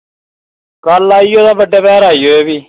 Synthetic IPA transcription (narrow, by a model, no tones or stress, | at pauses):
kəlaːiːoːd̪aːbəɖːaːpɛːɾaːiːoːeːʋiː